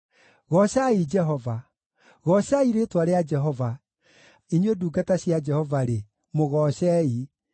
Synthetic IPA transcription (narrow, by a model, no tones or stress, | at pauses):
ɣɔɕaid͡ʒɛɦɔva | ɣɔɕaiɾetwaɾead͡ʒɛɦɔva | iɲweduːɡataɕjad͡ʒɛhɔvaɾe | moɣɔɕɛi